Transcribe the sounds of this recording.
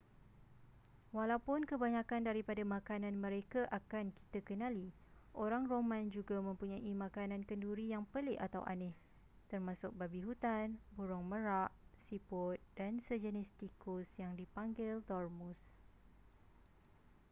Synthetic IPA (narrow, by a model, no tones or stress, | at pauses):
walawpʊnkəbaɲãkandaɾipadamãkanãnmə̃ɾekaʔakanki̥t̪akənãli | ʔoɾaŋromãnd͡ʒuɡamə̃mpuɲaʔimãkanãnkənduɾijaŋpəlɪʔa̰t̪a̰wʔa̰nɪh | t̪ərmãsʊk̚babiɦut̪anbuɾɔŋmə̃ɾaʔsipʊt̪̚dansəd͡ʒənɪst̪ikʊsjaŋdipaŋɡɪlt̪ɔrmus